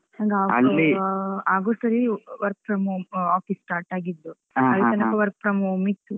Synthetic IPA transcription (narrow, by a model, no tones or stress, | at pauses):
aɡaːɡɐ̰iaːɡoːsɐɾiʋɐɾk̚pɾɐmuaːpisʈaːɾʈaːɡid̪ːu | ɐltɐnɐkɐʋɐɾk̚pɾɐmumit̪ːu